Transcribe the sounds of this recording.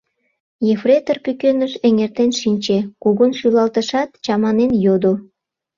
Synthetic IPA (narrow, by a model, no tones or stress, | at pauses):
jefret̪ərpykønəʃeŋert̪enʃinʲt͡ɕekuɣonʃylɑlt̪əʃɑt̪t͡ɕɑmɑnenjod̪o